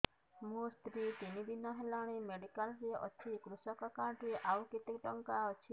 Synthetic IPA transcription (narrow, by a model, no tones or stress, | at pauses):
must̪ɾit̪inid̪inɔɦelaɽ̃emeɽikalɾeɔ̰t͡ʃʰikɾusɔkɔkaɖɾeʔawkit̪ikʈɔŋkaɔt͡ʃʰi